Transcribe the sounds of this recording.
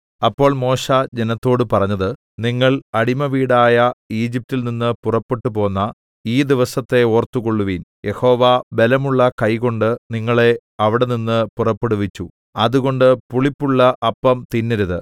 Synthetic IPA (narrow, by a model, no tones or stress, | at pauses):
ɐpːo̞ːɭmo̞ːɕad͡ʑenɐt̪ːo̞ːɽɨpɐrɐɲːɐðɨ | niŋːɐɭɐɽimɐʋiːɽaːjɐiːd͡ʑip̚tilninːɨpurɐpːeʈːupo̞ːnːɐ | iːd̪iʋɐsɐt̪ːe̞o̞ːrt̪ːuko̞ɭːuʋinjʔe̞ho̞ːʋaːbe̞lɐmuɭːɐkɐjko̞ɳɖɨniŋːɐɭe̞ | ɐʋiɽe̞ninːɨpurɐpːeɽuʋit͡ɕːu | ɐðuɣo̞ɳɖɨpuɭipːuɭːɐʔɐpːɐmt̪inːiɾuðɨ